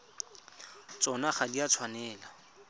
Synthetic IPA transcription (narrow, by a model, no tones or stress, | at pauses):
t͡sɔnaχadiat͡sʰwanɛːla